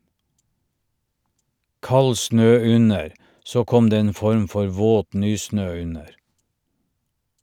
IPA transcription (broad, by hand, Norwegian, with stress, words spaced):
ˈkɑl ˈsnøː ˈʉnəɾ ˈsoː ˈkɔm ˈdeː ˈeːn ˈfɔɾm ˈfɔɾ ˈʋoːt ˈnyːˌsnøː ˈʉnəɾ